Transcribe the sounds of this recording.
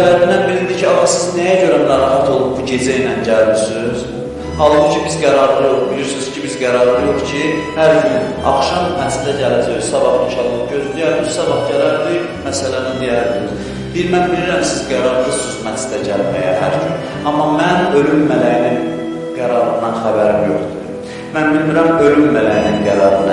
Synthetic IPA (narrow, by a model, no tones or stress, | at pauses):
læd̪inænbilind̪icʰiɑmɑsiznæjæɟø̞ɾænɑɾɑɦæt̪ʰo̞lˠup̚buɟe̞d͡ʒæjnænɟælmisyz̥ | hɑlˠbucʰibizɡæɾɑɾlˠɯjo̞χbiliɾsyz̥cʰibizɡæɾɑɾlˠɯjo̞χcʰihæɾjin | ɑ̰kʃɑmmæsd̪æɟælæd͡ʒ̪iɾsɑbɑχniʃʰɑɾlˠup̚ɟøzd̪ijæɾizsɑbɑχɟælæɾd̪i | mæsælænid̪ijæɾd̪iniz | b̪iɾmænbiliɾæmsizɡæɾɑɾd̪ˠɯsuzmæsd̪æɟælmæjæhæ̰ɾd͡ʒʰyn | ɑmːɑmænø̞lylmælæjnin | ɡ̥æɾɑɾɯnd̪ɑnxæbæɾimjø̰ɾd̪yɾ | mænbilmiɾæmø̞lylmælæjninɡæɾɑɾɯnd̪ɑ